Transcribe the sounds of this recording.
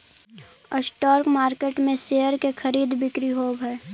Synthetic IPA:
ə̰sʈɔːɾkmaːɾkeːʈmẽseːjəɾkexʰɐɾiːd̪bɪkɾiɦoːbɦɛ

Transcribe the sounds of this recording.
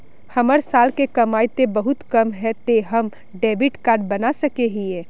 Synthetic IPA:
hɐməɾsaːlkekɐmaːit̪ebəɦʊt̪kəmɦɛt̪eɦəm | ɖeːbiʈkaːɾɖ̚bənasəkeɦiẽː

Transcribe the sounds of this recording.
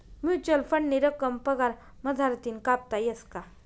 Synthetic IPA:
mjut͡ɕəlfəɳːiɾəkəmpəɡaɾ | məd͡z̪ʱaɾt̪iːnkap̚t̪ajəska

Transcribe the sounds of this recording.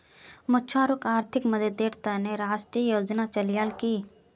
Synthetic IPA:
mʊtːʃʰaːɾʊkaːɾt̪ʰɪkməd̪əd̪eːɾt̪aneɾaːʃʈɾiːjoːd͡ʒnat͡ʃəljaːlkiː

